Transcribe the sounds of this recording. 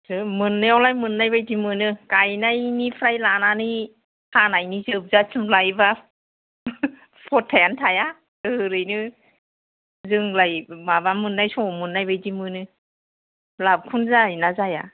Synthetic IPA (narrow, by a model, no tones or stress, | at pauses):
sɯmɯnːɯjawlajmɯnːajbajdimɯnɯkajnajnipʰɾajlanani | kʰanajnizɯb̚zasɯmlajba | pʰɔtʰːajantʰaja | ɯɾɯjnɯ | zɯŋlajmabamɯnːajsɔmɯnːajbajdimɯnɯ | lab̚kʰunzajnazaja̰